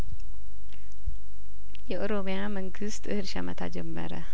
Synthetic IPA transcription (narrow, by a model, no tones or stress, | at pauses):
jɛʔoɾomejaməŋɡɨst̪ɨhɨɾʃamət̪ʰa̰d͡ʒɛmːə̰ɾə